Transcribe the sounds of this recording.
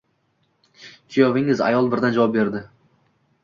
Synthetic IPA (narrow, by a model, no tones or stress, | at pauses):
t͡ʃʰijɒvɪŋɪza̰jɒlˠbɪɾd̪and͡ʒavɒp̚be̞ɾd̪ɪ